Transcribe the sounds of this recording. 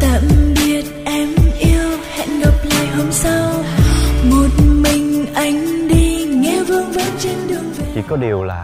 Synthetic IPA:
t̪a̰ː˧˨˩mɓi˨˩ət̚ʔɛ˧˦mʔi˧əwhɛ̰˧˨nɗɔ˨˩p̚la̰ː˧˨jɦo˧msa˧w | mo˨˩t̚mï˨˩ŋ̟ʔa˨˦jŋ̟ɗi˧ŋɛ˧˦vɨ˧ŋɓaː˨˦nt͡ɕɛ˧nɗɨ˨˩əŋve˨˩i˨˩kɔ˨˦ɗi˨˩əwla̰ː˨˩

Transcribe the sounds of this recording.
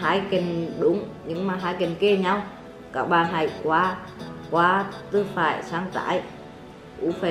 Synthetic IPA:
haː˧˥jki˨˩nɗʊ˨˦ŋ͡mɲɨ˧˥ŋmaː˨˩ɦaː˧˦jki˨˩nke˧˩ɲa˧w | kaː˧˦˥k̚ɓaː˨˩nɦa˧˩jkwaː˨˦ | kwaː˨˦t̪ɨ˧faː˧˩jsaː˧ŋt̪a̰ː˧˥j | ʔu˧˦fe˧˩

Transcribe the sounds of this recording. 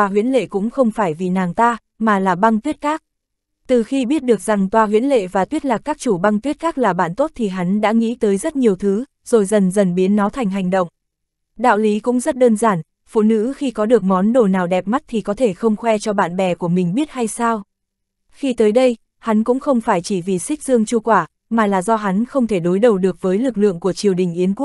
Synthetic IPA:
waː˧ɦwḭ˧˥ənlḛ˧˨kʊ̰˧˥ŋ͡mxə˧wŋ͡mfaː˧˩jvi˨˩naː˨˩ŋt̪aː˧ | maː˨˩laː˨˩ɓa˧ŋt̪wi˦˥ət̚kaː˦˥k̚ | t̪ɨ˨˩xi˧ɓi˦˥ət̚ɗɨ˨˩ək̚za˨˩ŋt̪waː˧ɦwḭ˧˥nlḛ˧˨vaː˨˩t̪wi˦˥ət̚laː˨˩kːaː˦˥k̚t͡ɕu˧˩ɓa˧ŋt̪wi˦˥ət̚kaː˦˥k̚laː˨˩ɓa̰ː˧˨nt̪o˦˥t̚t̪ʰi˨˩ɦa˨˦ŋ̟ɗa̰ː˧˥ŋḭ˧˥t̪əː˨˦jzə˦˥t̚ɲi˨˩əwt̪ʰɨ˨˦ | z̥o˨˩jzə˨˩nzə˨˩nɓi˨˦ənːɔ˨˦t̪ʰa˨˩jŋ̟ɦa˨˩jŋ̟ɗə̰˧˨wŋ͡m | ɗa̰ː˧˨wli˨˦kʊ̰˧˥ŋ͡mzə˦˥t̚ɗəː˧nzaː˧˩n | fṵ˧˨nɨ̰˧˥xi˧kɔ˨˦ɗɨ˨˩ək̚mɔ˨˦nɗo˨˩naː˨˩wɗɛ˨˩p̚ma˦˥t̚t̪ʰi˨˩kɔ˨˦t̪ʰe˧˩xə˧wŋ͡mxwɛ˧t͡ɕɔ˧ɓa̰ː˧˨nɓɛ˨˩ku˧˩əmï˨˩ŋ̟ɓi˦˥ət̚ha˧jsaː˧w | xi˧t̪əː˨˦jɗə˧j | ha˨˦nkʊ̰˧˥ŋ͡mxə˧wŋ͡mfaː˧˩jt͡ɕi˧˩vi˨˩sï˦˥k̟̚zɨ˧əŋt͡ɕu˧kwaː˧˩ | maː˨˩laː˨˩zɔ˧ɦa˨˦nxə˧wŋ͡mt̪ʰe˧˩ɗo˨˦jɗə˨˩wɗɨ˨˩ək̚vəː˨˦jlɨ˨˩k̚lɨ̰˧˨əŋku˧˩ət͡ɕi˨˩əwɗï˨˩ŋ̟ʔi˨˦ənku˦˥ək̚

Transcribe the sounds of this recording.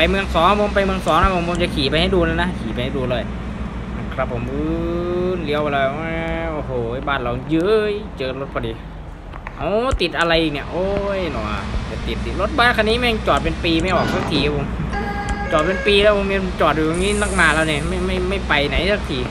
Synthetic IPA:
pa˧jmɯ˧əŋsɔː˨˦ŋpʰo˧˦mpa˧jmɯ˧əŋsɔː˨˦ŋna˧˥˩pʰo˧˦mpʰo˧˦mt͡ɕa˨˧˩kʰiː˨˩pa˧jha˥˩jduː˧laː˧˩wna˦˥kʰiː˨˩pa˧jha˥˩jduː˧lɔː˧˩j | na˧˩kʰɾa˧˥pʰːo˨˦mʔɯː˧˦nli˧˩əwa˧lɔː˧˩˧a˧˩ʔoː˧˩hoː˨˩˧baː˧˩nla˧˩wjɯː˦˥jt͡ɕɤː˧lo˦˥t̪̚pʰɔː˧diː˧ | ʔɔ˧˩t̪i˨t̪̚ʔa˧ɾa˧jʔiː˨˩k̚ni˧˩ʔoː˧jnɔ˨˩˨t͡ɕa˨˧˩t̪i˨˩t̪ːi˨˩t̪̚lo˦˥t̪̚baː˧˨kʰa˧niː˦˥˨mɛ˥˧˩t͡ɕɔː˨˩t̪̚pe˧npiː˧ma˥˩jʔɔː˨˩k̚ta˧˩kʰiː˨˩a˧pʰo˧˦m | t͡ɕɔː˨˩t̪̚pe˧npiː˧lɛː˦˥wpʰo˧˦mi˧˦t͡ɕɔː˨˩t̪̚juː˨˩ja˧ŋniː˦˥˨na˧˥˩k̚naː˧˨lɛː˧wniː˧˩ma˥˩jma˥˩jma˥˩jpa˧jna˨˦jta˧˩kʰiː˨˩

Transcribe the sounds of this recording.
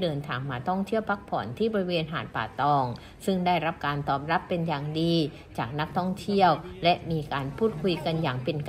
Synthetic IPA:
dɤː˧nt̪ʰaː˨˧ŋmaː˧t̪ʰɔ˥˩ŋt̪ʰi˥˩əwpʰa˦˥k̚pʰɔː˩˦nt̪ʰiː˥˩bɔː˧ɾi˦˥weː˧nɦa̰ː˩˦n̚pa̰ː˨˩t̪ɔː˧ŋ | sɯ˥˩ŋdaː˥˩jɾa˦˥p̚kaː˧nt̪ɔː˨˩p̚ɾa˦˥pːe˧njaː˨˩ŋdiː˧ | t͡ɕaː˨˩k̚na˦˥k̚t̪ʰɔ˥˩ŋt̪ʰi˥˩əwlɛ˦˥ʔmiː˧kaː˧npʰuː˥˩t̪̚kʰu˧jka˧njaː˨˩ŋpe˧nk

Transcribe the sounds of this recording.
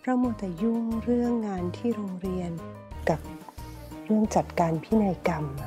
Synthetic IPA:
pʰɾa˧˥mu˧˥˩t̪ːɛː˧˩ju˥˩ŋɾɯ˥˩əŋːaː˧nt̪ʰiː˥˩ɾoː˧ŋɾi˧ən | ka˨˩p̚ | ɾɯ˥˩əŋt͡ɕa˨˩t̪̚kaː˧npʰiː˦˥˩na˧jka˧m

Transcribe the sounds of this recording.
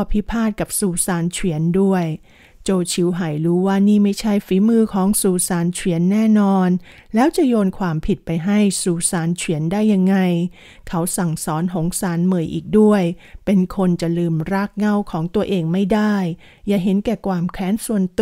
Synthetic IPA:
pʰi˦˥pʰaː˥˩t̪̚ka˨˩p̚suː˧saː˩˦nt͡ɕʰwi˩˦əndu˥˩əj | t͡ɕoː˧t͡ɕʰi˩˦wɦa˨˩jɾuː˦˥waː˥˩niː˥˩ma˥˩jt͡ɕʰa˥˩jfiː˨˩˦mɯː˧kʰɔː˩˦ŋsuː˧saː˨˩˦nt͡ɕʰwi˩˦ənːɛː˥˩nɔː˧n | lɛː˦˥wt͡ɕa˨˩jɔː˧nkʰwaː˧mpʰi˨˩t̪̚pa˧jɦa˥˩jsuː˧saː˨˦nt͡ɕʰwi˩˦əndaː˥˩jːa˧ŋːa˧j | kʰa˦˥wsa˨˩ŋsɔː˩˦nɦo˨˩˦ŋsaː˩˦nmɯ˨˩jʔiː˨˩k̚du˥˩əjpe˧nkʰo˧nt͡ɕa˨˩lɯː˧mɾaː˦˥˩k̚ŋa˥˩wkʰɔː˩˦ŋt̪u˧ɐʔeː˧ŋma˥˩jdaː˥˩jː | aː˨˩ɦe˩˦nkɛː˨˩kwaː˧mkʰɾɛː˦˥nsu˨˩ənt̪

